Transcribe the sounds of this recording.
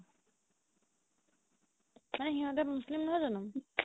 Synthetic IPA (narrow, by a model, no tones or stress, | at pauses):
manɛxiɦɔtɛmuslimnɔɦɔjzɔnɔm